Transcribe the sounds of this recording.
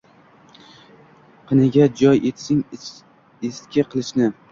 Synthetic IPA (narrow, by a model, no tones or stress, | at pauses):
qʰɨnɪɡʲad͡ʒɒjet̪sɪŋ | est̪kʲaqʰɨlˠɪʃnɪ